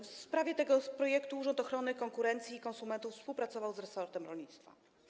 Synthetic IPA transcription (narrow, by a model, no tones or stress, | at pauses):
fspɾavʲjɛt̪ɛɡɔpɾɔjɛkt̪uuʐɔnt̪ɔxɾɔnɘkɔŋkuɾɛnt̪sʲiːkɔ̃nsumɛnt̪ufspuwpɾat̪sɔvawzɾɛsɔɾt̪ɛmɾɔlʲɲit̪st̪fa̰